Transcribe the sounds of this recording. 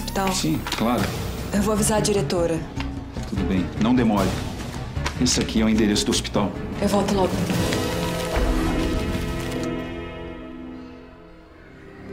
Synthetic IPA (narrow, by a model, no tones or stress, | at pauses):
spi̥t̪awsĩklaɾʊewvoavizaɾɐd͡ʒiɾet̪oɾɐ | t̪ud̪ʊbẽj̃nɐ̃w̃d̪emɔɾɪ | esɪakʰiɛw̃ĩd̪eɾesʊd̪ʊospi̥t̪awewvɔwt̪ʊlɔɡʊ